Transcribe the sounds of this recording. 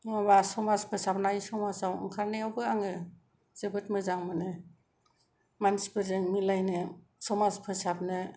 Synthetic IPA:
ŋabasɔmaspʰɯsap̚najsɔmasawɯ̰ŋkʰaɾnejawbɯaŋɯ | z̥ebɯtmɯzaŋmɯnɯ | mansi̥pɯzɯŋmilajnɯ | sɔmaspʰɯsap̚nɯ

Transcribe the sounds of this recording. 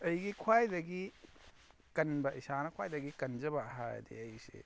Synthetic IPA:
ɐjɡikʰwajdɐɡi | kɐnbɐʔisanɐkʰwajdɐɡikɐnd͡ʒɐbɐɐɦa̰j̰dḭɐjsḛ

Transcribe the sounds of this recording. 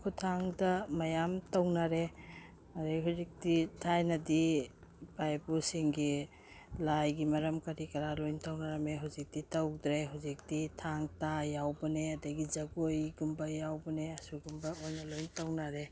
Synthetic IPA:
kʰutʰaŋdɐmɐjamtɐwnaɾe | aɾaɦuzik̚ditʰajnɐdi | bajbusiŋɡi | lajɡimɐɾɐmkɐɾikɐɾalojntʰawnaɾɐmeɦuzik̚ditɐwdɾeɦuwzik̚ditʰaŋtajawbɐneɐdɐɡid͡ʒɐɡojɡumbajawbɐneɐsuɡumbɐojnɐlojntawnaɾe

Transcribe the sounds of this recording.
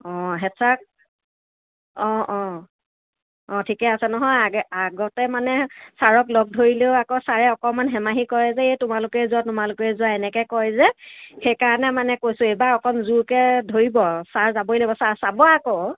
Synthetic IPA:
ɔ̃ɦɛtʰak̚ | ɔ̃ɔ̃ | ɔ̃tʰikɛasɛnɔɦɔjaɡaɡɔtɛmanɛsaɹɔklɔɡ̚dʱoɹileʊakosaɹɛɔkɔmanɦɛmaɦikɔjɛzɛejtʊmalʊkɛɛzuatʊmalʊkɛɛzʊaɛnɛkɛkɔjzɛxejkaɹɔnɛmanɛkojsʊ̃ejbaɔkɔmzuɹkɛdʱoɹibɔsaɹzabolebɔsasabɔako

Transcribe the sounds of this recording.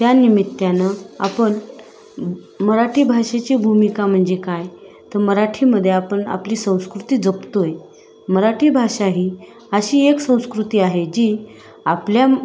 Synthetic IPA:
t̪janimit̪ːjanəa̰pəɳ | məɾaʈʰiːbʱaʂet͡ɕiːbʱumikam̤əɳd͡zekaj | t̪əɾməɾaʈʰiːməd̪ʱːjeapəɳa̰pliːsə̃w̃skɾut̪iːd͡zəpt̪oj | məɾaʈʰiːbʱaʂaɦiː | əɕiːeksə̃w̃skɾut̪iːaɦed͡ʑiː | aplja

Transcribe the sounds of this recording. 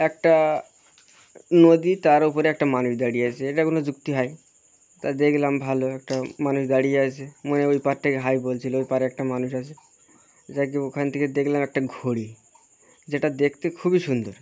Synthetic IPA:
ɛk̚ʈa | nod̪it̪aɾupoɾeɛk̚ʈamanuʃd̪aɽieat͡ɕʰeeʈakonod͡ʑukt̪iɦaj | t̪ad̪ekʰlambʱaloɛk̚ʈamanuʃd̪aɽijeat͡ɕʰemoneojpaɾt̪ʰekeɦajbolt͡ɕʰiloojpaɾɛk̚ʈamanuʃat͡ɕʰe | d͡ʑak̬eokʰant̪ʰeked̪ekʰlamɛk̚ʈaɡʱoɽi | d͡ʑeʈad̪ekʰt̪ekʰubiʃund̪oɾ

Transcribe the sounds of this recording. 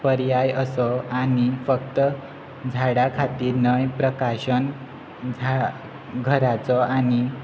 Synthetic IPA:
pəɾjajəsɔanifəkt̪ə | d͡zʱaɽakʰat̪iːɾnəjpɾəkaɕən | d͡zʱa | ɡʱəɾat͡sɔani

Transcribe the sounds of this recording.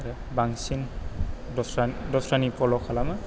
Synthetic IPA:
a | baŋsin | dɔsadɔsɹanipɔlɔkʰalama

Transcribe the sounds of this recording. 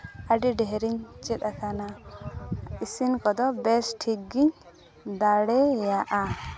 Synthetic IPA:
aɖiɖɛɦɛɾiɲt͡ʃʼɛt̪akʰana | isinkɔd̪ɔbɛsʈʰiɡːiɲ | d̪aɽɛjaʔa

